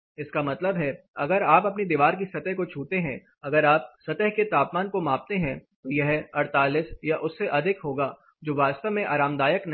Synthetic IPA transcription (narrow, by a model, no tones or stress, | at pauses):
ɪskamɐt̪ləbɦɛ | ɐɡəɾaːpɐpned̪iːʋaːɾk̬isɐt̪əɦkot͡ʃʰuːt̪eɦɛ̃ | ɐɡəɾaːp̚sɐt̪əɦket̪aːpmaːnkomaːp̚t̪eɦɛ̃t̪ojɐɦɐɾt̪aːlɪsjaʔʊsːeʔɐd̪ʱɪkɦoːɡaː | d͡ʒoːʋaːst̪əʋmẽʔaːɾaːmd̪aːjəknɐ